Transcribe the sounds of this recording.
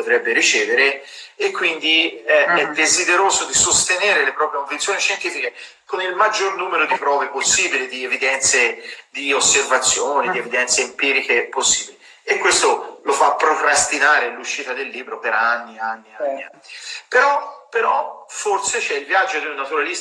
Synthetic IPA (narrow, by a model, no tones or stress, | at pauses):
pot̪ɾɛbːeɾit͡ʃɛːveɾeekːwind̪iɛɛd̪ːezid̪eɾoːzod̪isost̪eneːɾelepɾɔːpɾjekoɱfint̪sjoːniʃent̪iːfike | konilmad͡ʒːornuːmeɾod̪ipɾɔːveposːiːbilid̪ievid̪ɛnt̪sed̪iosːervat̪sːjoːnid̪ievid̪ɛnt̪seimpiːɾikeposːiːbiliː | kːwest̪olofapːɾokɾast̪inaːɾeluʃːiːt̪ad̪elːiːbɾopeɾanːianːianːianːipeɾɔpːeɾɔforset͡ʃɛilvjad͡ʒːod̪eunːat̪uɾalis